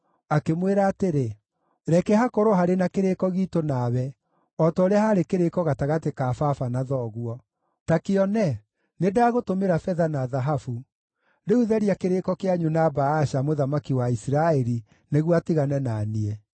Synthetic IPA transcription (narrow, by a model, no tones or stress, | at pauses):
akemweɾaːteɾe | ɾɛkɛhakoɾoɦaɾenakeɾekɔɣiːtonawɛ | ɔtɔɾeahaɾekeɾekɔɣataɣatekafafanaðɔɣwɔ | takeɔnɛ | nedaːɣotomeɾafɛðanaðaɦafu | ɾeuðɛɾiakeɾekɔkeaɲunabaaʃamoðamakiwaisiɾaɛɾi | neɣwatiɣanɛnaniɛ